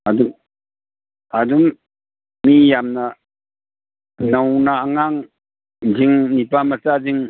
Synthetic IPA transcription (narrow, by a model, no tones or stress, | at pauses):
adu | adumː | ijamna | nawnaːŋaŋ | ziŋnipamataziŋ